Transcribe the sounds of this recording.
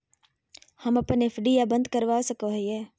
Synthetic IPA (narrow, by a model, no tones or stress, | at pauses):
hɐmɐpəneːfʰɖijabə̃nd̪̚kəɾʋaːsəkoɦɛː